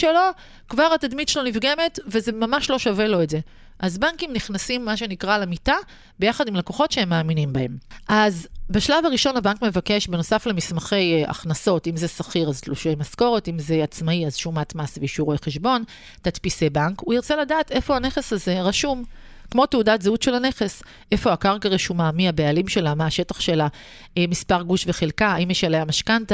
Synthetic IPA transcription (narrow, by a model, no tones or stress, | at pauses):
ʃelo̞ | kvaʁatad̪mitʃelo̞nivɡe̞me̞tve̞ze̞mamaʃlo̞ʃavelo̞etze̞ | ʔazbaŋkimniχnasimːaʃe̞nikʁalemita | bejaχadimlako̞χo̞tʃehemːaːminimbae̞mʔazbeʃlavaʁiʃo̞nabaŋkmevake̞ʃbe̞no̞saflemismaχe̞ja̰χnaso̞timzesaχiʁaztluʃejmasko̞ʁetimzeat͡smaiazʃumatmasviʃuʁoeχeʃbo̞n | tatpisebankuiʁt͡se̞ladaːte̞fo̞haneχe̞saze̞ʁaʃum | kmo̞teudatzeutʃelhane̞χe̞s | ʔefo̞akaʁkaʁeʃumamiabealimʃelamaːʃe̞taχʃe̞la | mispaʁɡuʃve̞χelkaːimjeʃelejamaʃkanta